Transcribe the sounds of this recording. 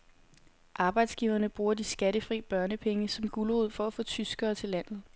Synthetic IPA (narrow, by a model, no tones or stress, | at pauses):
ʔɑ̈ːb̥ɑ̈ɪd̥sɡ̥iʊɐnəb̥ʁuːɐd̥isɡ̥æɾəfʁḭːb̥ɶɐnəpʰeŋəsɒ̽mɡ̥uloð̞̰ˠfɒ̽æfɔ̽ːt͡sʰysɡ̥ɐːt͡sʰe̝læn̰ð̩ˠ